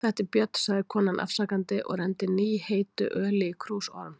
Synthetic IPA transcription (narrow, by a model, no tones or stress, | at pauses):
θɛht̪ɪɾpjœt̪n̥saɣðɪkʰɔːnanʔa̰fsaːkant̪ɪʔɔ̰ɣrɛnt̪ɪniːheːjt̪ʏ̰ʔœːlɪkʰɾuːsɔ̰ɾm